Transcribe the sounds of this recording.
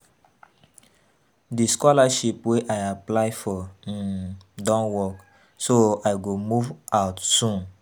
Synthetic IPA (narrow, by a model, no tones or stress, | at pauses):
diskɔlaʃipweʔajaplaɪfɔ̃ | dɔ̃nwɔk | soajɡomuvʔaʊtsũn